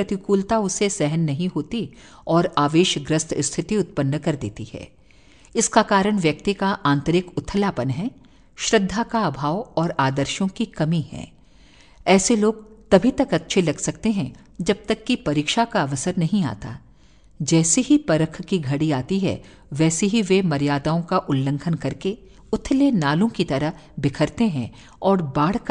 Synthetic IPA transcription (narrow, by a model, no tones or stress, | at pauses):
ɐt̪ɪkuːlt̪aʊsesɛɦənːɐɦĩɦoːt̪i | ɔːɾaːʋeːʃɡɾəst̪ʰɪst̪ʰɪt̪iʊt̪̚pənːkɐɾd̪ḛːt̪ihɛ̰ː | ɪskakaːɾəɽ̃ʋjɐk̚t̪ikaʔãːnt̪əɾɪkʊt̪ʰːəlaːpənɦɛ | ʃɾəd̪ʱːakaɐbʱaːʋɔːɾaːd̪əɾʃõkikɐmiɦɛ̰̃ː | ɛːseloːɡ̚t̪ɐbʱit̪ɐkɐtːʃʰelɐɡsɐk̚t̪eɦɛ̃ | d͡ʒɐb̚t̪ɐkːipɐɾiːkʃakaɐʋəsəɾnɐɦĩa̰ːt̪a̰ː | d͡ʒɛːseɦipɐɾəkʰkiɡʱɐɽiaːt̪iɦɛ̰ | ʋɛːseɦiʋemɐɾjaːd̪aːõkaʔʊlːə̃ŋɡʰənkɐɾke | ʊt̪ʰːlenaːlõkit̪ɐɾəɦbɪkʰəɾt̪eɦɛ̃ | ɔːɾbaːɽ̤k